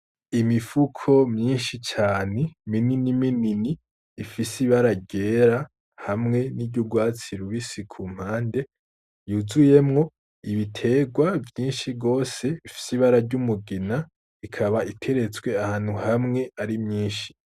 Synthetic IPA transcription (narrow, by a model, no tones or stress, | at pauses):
imifukʰo̞mɲiːnʃit͡ʃaːne̞mininimininiː | fisiβaɾaɟe̞ːɾa | hamŋe̞nibɟuɡwaːt͡siɾuβisikʰuːm̥haːnde̞ | juzuje̞mŋo̞ | iβitʰe̞ːɡwavjiːnʃiɡo̞ːse̞ifi̥siβaɾaɾɟumuɡina | ikʰaβaʔitʰe̞ɾe̞t͡sɡwe̞ahaːn̥huhamŋe̞aɾimɲiːnʃi̥